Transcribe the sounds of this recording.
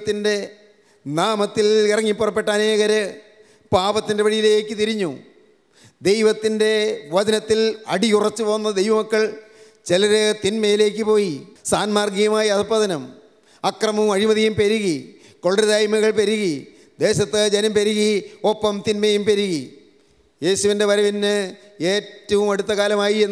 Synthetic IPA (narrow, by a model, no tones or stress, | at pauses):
t̪ːinde̞ | naːmɐt̪ːilirɐŋːipːurɐpːe̞ʈːɐɐneːɣɐɾɨ | paːbɐt̪ːinde̞ʋɐɻijilekːɨt̪iɾiɲːu | d̪ejʋɐt̪ːinde̞ʋɐðɐnɐt̪ːilɐɽiurɐt͡ɕːupo̞ːnːɐd̪ejʋɐmɐkːɐɭ | t͡ɕelɐɾɨt̪inmɐjile̞ːkːɨpo̞ːjisaːnmaːrɡiɣɐmaːjiɐpːɐðɐnɐm | ɐkrɐmɐmɐɻimɐðijumpeɾuɣi | ko̞ɭɖɐðaːjmɐɣɐɭpeɾuɣi | d̪e̞ːɕɐt̪ːɨd͡ʑɐnɐmpeɾuɣiopːɐmt̪inmɐjumpeɾuɣi | je̞ːɕuʋinde̞ʋɐɾɐʋinːɨ | e̞ːtːɐʋumɐɽut̪ːɐkaːlɐmaːjie